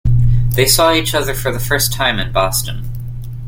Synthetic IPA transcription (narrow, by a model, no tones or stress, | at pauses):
ðeɪsɔit͡ʃʌðə˞fə˞ðɨfɜ˞stʰãɪ̃mɨ̃nbɑstɨ̃n̩